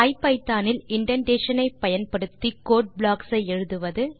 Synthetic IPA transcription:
ɐɪpːɐɪt̪ːaːnɪlɪɳɖɐɳɖeːʂɐnɐɪpːɐjɐnpɐɽɯt̪ːikoːʈ̚bɭaːksɐɪɛɻɯðɯʋɐðɯ

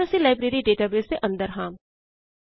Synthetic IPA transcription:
əsĩːlaːɪjbɾeːɾiːɖeːʈaːbeːsd̪eʔə̃nd̪əɾɦãːm

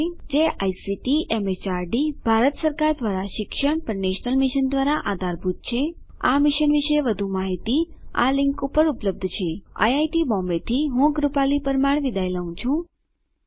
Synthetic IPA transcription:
d͡ʒeʔajsiʈiʔemet͡ʃaɾɖibʱaɾət̪səɾkaɾd̪ʋaɾaʃɪkʃəɳpəɾneʃnəlmɪʃənd̪ʋaɾaʔad̪ʱaɾbʱut̪̚t͡ʃʰe | a̰mɪʃənʋiʃeʋəd̪ʱũmaɦit̪i | a̰lɪ̃ŋkũpəɾupləb̚d̪ʱt͡ʃʰea̰jajʈibɔ̃mbet̪ʰiɦũɡɾupalipəɾmaɳʋid̪ʱajləɦũt͡ʃʰũ

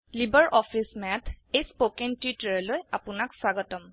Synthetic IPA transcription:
libɛɹʔɔfʰismɛtʰejspokɛntitɹɛlojapʊnakswaɡɔtɔm

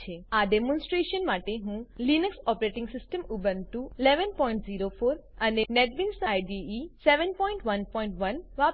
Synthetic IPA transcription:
t͡ʃʰeaɖemɔ̃nsʈɾeʃənmaʈeɦũlinəksɔpɾeʈɪ̃ŋɡsɪsʈəmubənt̪uileʋənpɔjĩɳʈziɾofʰoɾənenɛʈʋinsajɖiiseʋənpɔĩɳʈʋənpɔiɳʈʋənʋap

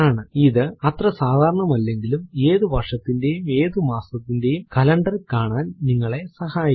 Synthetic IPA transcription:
aːɳɨiðɨɐt̪rɐsaːd̪ʱaːɾɐɳɐmɐlːe̞ŋɡilume̞ːðubʱɐrʂɐt̪ːinde̞jume̞ːðumaːsɐt̪ːinde̞jumkɐlɐɳɖɐrkaːɳaːnniŋːɐɭe̞sɐhaːj

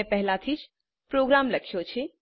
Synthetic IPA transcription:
epɛɦlat̪ʰid͡ʒ | pɾoɡɾaːmləkʰjot͡ʃʰe

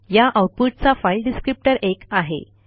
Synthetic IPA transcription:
jaʔawʈ̚puʈ̚t͡safajilɖiskɾip̚ʈəɾʔekaɦḛ

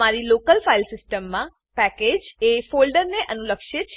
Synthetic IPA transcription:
maɾilokəlfailsɪsʈəmːã | pɛked͡ʒefolɖəɾneʔənuləkʃet͡ʃʰ

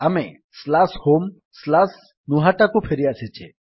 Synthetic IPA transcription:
ame | slashom | slas | nuɦaʈakũpʰeɾiaset͡ʃʰe

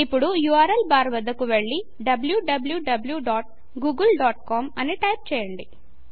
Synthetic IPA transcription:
ipːuɽujuaːɾɐlbaːɾʋɐd̪ːɐkuʋeɭːi | ɖɐbljuɖɐbljuɖɐbljuɖaːʈ̚ | ɡuːɡulɖaːʈkoːmɐniʈɐjp̚t͡ʃɛːjɐɳɖi

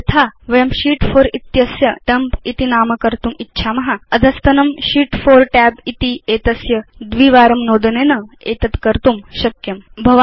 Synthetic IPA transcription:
ɐt̪ʰaːʋɐjɐmʃiːʈfʰoːɾit̪jɐsjɐʈɐmpit̪inaːmɐkɐɾt̪umitːʃʰaːmɐɦɐɐd̪ʱɐst̪ɐnɐmʃiːʈfoːɾʈɛːbit̪ieːt̪ɐsjɐd̪ʋiːʋaːɾɐmnoːd̪ɐneːnɐ | eːt̪ɐt̪kɐɾt̪umʃɐkjɐmbʱɐʋa

